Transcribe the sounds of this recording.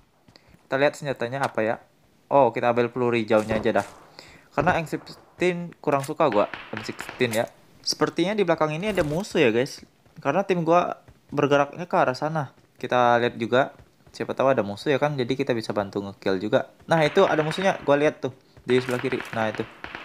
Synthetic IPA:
ki̥t̪aliɦat̪̚səɲd͡ʒat̪aɲaːpaja̰ | ʔokit̪aːmbɪlpəluɾid͡ʒauɲaːd͡ʒadahkaɾənaɛŋsipst̪ɪnkuɾaŋsukaɡuaʔɛnsɪks̚t̪ɪnja | sə̥pərt̪iɲadiblakaŋiniadamusujaɡajs | kaɾənat̪ɪmɡua̰ | bərɡəɾak̚ɲakəaɾasana | kit̪aliɦat̪̚d͡ʒuɡa | siapat̪awadamusujakand͡ʒadikit̪abisabant̪uŋəkɪld͡ʒuɡa | naɦit̪ua̰damusuɲaɡualiɦat̪ːʊh | d͡ʒaisblakiɾḭnahit̪u

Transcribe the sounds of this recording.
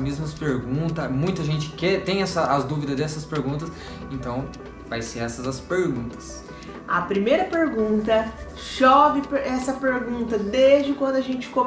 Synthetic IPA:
mezmɐspeɾɡũt̪ɐmũj̃t̪ɐʒẽnt͡ʃɪ̥kɛt̪ẽj̃ɛsɐɐzd̪uvid̪ɐzd̪ɛsɐspeɾɡũnt̪ɐs | ẽnt̪ɐ̃w̃ | vajseɾɛsɐzɐspeɾɡũnt̪ɐ̥s | ɐpɾimejɾɐpeɾɡũnt̪ɐ | ʃɔvɪɛsɐpeɾɡũnt̪ɐd̪ezd͡ʒɪkwɐ̃nd̪ʊɐʒẽnt͡ʃɪ̥kõ

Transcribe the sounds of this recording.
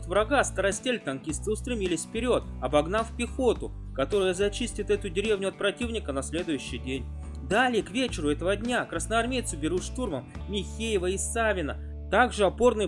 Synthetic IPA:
t̪vɾɐɡast̪əɾɐsʲtʲelʲt̪ɐnkʲist̪sɨʊst̪ɾʲɪmʲilʲɪsʲfpʲɪɾʲo̞t̪ɐbɐɡnafpʲɪxo̞t̪ʊ | kɐt̪o̞ɾɨjəzɐt͡ɕisʲtʲɪt̪ɛt̪ʊdʲɪɾʲevnʲʊɐt̪̚pɾɐtʲivnʲɪkənɐsʲlʲe̞d̪ʊjʉɕːɪjdʲenʲ | d̪alʲɪjəkvʲet͡ɕɪɾʊɛt̪əvədʲnʲakɾəsnəɐrmʲejt̪sʊbʲɪɾuʂt̪urməmmʲɪxʲejɪvəɪsavʲɪnə | t̪aɡʐɨɐpo̞rnɨ

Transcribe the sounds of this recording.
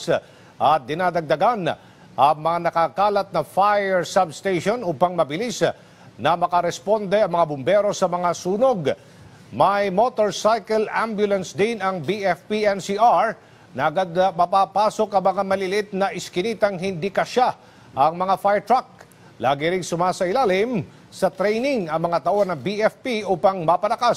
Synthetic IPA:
ʔɐt̪̚d̪ɪnaːd̪ɐɡ̚d̪ɐɡan | ʔɐŋmɐŋanɐkakaːlɐt̪̚nɐfajɛɹsɐbst̪ejʃonuːpɐŋmɐbɪlis | nɐmɐkɐɾɛspo̞nd̪ɛɐŋmɐŋabʊmbɛɾo̞sɐmɐŋasuːnoɡ | mɐjmo̞t̪oɹsajkɛlʔa̰mbjʊlɐnsd̪ɪnɐŋbiɛfpiɛnsiʔaɹ | nɐʔɐɡad̪̚mɐpapaːso̞kɐŋmɐŋamɐlɪlɪt̪̚nɐʔɪskɪniːt̪ɐŋɦɪnd̪ikɐʃa | ʔɐŋmɐŋafajɹt̪ɹak̚ | laːɡɪɾɪŋsʊmaːsɐɪlaːlɪm | sɐt̪ɾɛjnɪŋɐŋmɐŋat̪ɐʔonːɐbiɛfpiʔuːpɐŋmɐpɐlɐkas

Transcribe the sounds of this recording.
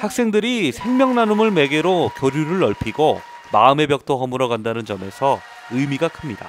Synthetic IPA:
hak̚s͈e̞ŋdɯɾisʰe̞ŋmjʌŋnanumɯɭme̞ɡe̞ɾokjoɾjuɾɯɭːʌɭpʰiɡo | maɯme̞pjʌk̚t͈oɦʌmɯɾʌɡandanɯnd͡ʑʌme̞sʰʌ | ɯmiɡakʰɯmɲida̰

